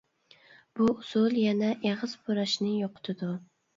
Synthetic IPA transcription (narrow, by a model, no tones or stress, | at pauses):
b̥ʊʊsʊlˠjanaʔeʁɨzpʰʊɾaʃnɪjoqʰʊ̥t̪ʰɪd̪ʊ